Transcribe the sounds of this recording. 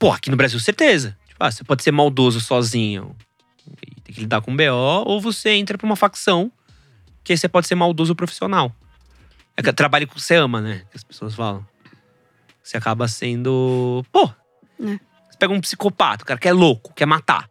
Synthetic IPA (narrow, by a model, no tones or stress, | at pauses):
poa̰kinʊbɾaziwseɾt̪ezɐt͡ʃi̥pʊa̰sepɔd͡ʒɪseɾmawd̪ozʊsɔzĩɲʊ̰ | ɪ̰t̪ẽj̃kɪlid̪aɾkõbeɔowvoseẽnt̪ɾɐpɾɐũmɐfaksɐ̃w̃ | kɪsepɔd͡ʒɪseɾmawd̪ozʊpɾofi̥sionaw | ɛkɐt̪ɾabaʎɐkseɐ̃mɐnɛkɪɐspe̥soɐsfa̰lɐ̃w̃ | seakabɐsẽnd̪ʊpo | se̥pɛɡɐũpsi̥kopa̰t̪ɐkaɾɐkɛlokʊ̥kɛmat̪a̰